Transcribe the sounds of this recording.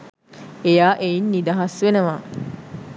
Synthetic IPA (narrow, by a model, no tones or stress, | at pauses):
ejaːʔejinːid̪aɦasʋenəʋa